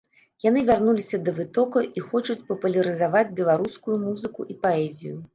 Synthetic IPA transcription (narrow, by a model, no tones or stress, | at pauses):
jan̪ɨvʲarnulʲisʲɐd̪ɐvɨt̪ɔkɐʔixɔt͡ʂut͡sʲpɐpulʲɐɾɨzavad͡zʲbʲɛlˠaɾuskujumuzɨkuʔipaɛzʲḭju